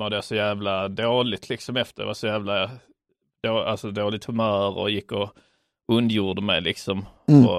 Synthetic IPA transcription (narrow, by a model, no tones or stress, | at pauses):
vad̪ɛaʂɔjæːvlad̪oːlɪt̪ʰlɪksɔmɛft̪əɾd̪ɛ̰vaʂɔjæːvla | d̪̥oːʔalsɔd̪oːlɪt̪ʰhɵmœːɾɔ̰jɪkːɔ | ɵnd̪juːɖ̪əmɛjlɪksɔmɔ̰